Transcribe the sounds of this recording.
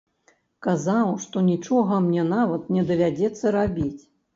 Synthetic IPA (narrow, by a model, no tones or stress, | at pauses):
kazawʂt̪ɔnʲit͡ʂɔɣɐmnʲɛnavɐt̪nʲɛd̪ɐvʲad͡zʲɛt̪sːɐɾabʲit͡sʲ